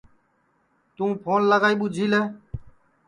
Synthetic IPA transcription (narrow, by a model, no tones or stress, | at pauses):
t̪ũːpʰoːnləɡaːiːɓuːd͡ʒʱiːleː